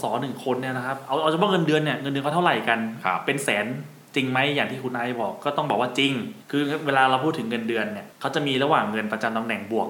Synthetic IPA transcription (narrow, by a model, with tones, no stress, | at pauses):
sɔː˩˦nɯ˨˩ŋkʰo˧nːi˥˩ɐna˦˥kʰa˦˥p̚ʔa˧wʔa˧wt͡ɕa˧˦pʰɔ˦˥˩ŋɤ˧ndɯ˧ənːi˥˩ɐŋɤ˧ndɯ˧ka˥˩t̪ʰwɾa˨˩jka˧nkʰpe˧nsɛː˩˦n | t͡ɕi˧ŋma˦˥jːaː˨˩ŋt̪ʰiː˥˩kʰu˧nʔa˧˩jbɔː˨˩kːɔː˥˩t̪ɔ˥˩ŋbɔː˨˩k̚waː˥˩t͡ɕi˧ŋkʰɯː˧weː˧laː˧ɾa˧wpʰuː˥˩t̪ʰːɯ˩˦ŋːɤ˧ndɯ˧ənːi˦˥˩ɐkʰa˦˥wt͡ɕa˨˩miː˧ɾa˧waː˨˩ŋːɤ˧npa˧t͡ɕa˧mt̪a˧ŋnɛ˨˩ŋbu˨˩ək̚